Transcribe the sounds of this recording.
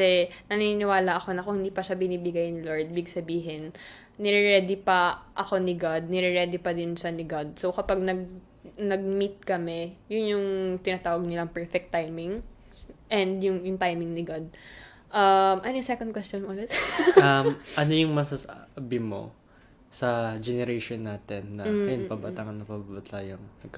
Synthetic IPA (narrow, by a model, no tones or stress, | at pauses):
ɛnɐninɪwaːlɐʔɐko̞nɐkʊhɪnd̪iːpɐʃabɪniːbɪɡajnɪloɹd̪̚bɪɡsɐbiːɦɪnː | ɪɾɛɾɛːd̪ɪpɐʔɐko̞nɪɡad̪̚nɪɾɛɾɛːd̪ɪpɐd̪ɪnʃanɪɡad̪̚so̞wkɐpaɡ̚nɐɡ̚ | nɐɡ̚mit̪̚kɐmɛjʊnjʊŋt̪ɪnɐt̪aːwɐɡ̚nɪlaŋpɛɹfɛk̚t̪ːajmɪŋ | ʔɛnd̪jʊŋjʊŋt̪ajmɪŋnɪɡad̪̚ | ʔɐmʔɐnisɛkɐnd̪kwɛst̪onmʔlɛt̪ʔamʔɐnojʊŋmɐsasʔabɪmo̞̰ | sɐd͡ʒɛnɛɾejʃonːaːt̪ɛnːɐɐjonpɐbat̪aŋɐnːɐpababɐt̪ʰajɐŋnɐɡ̚k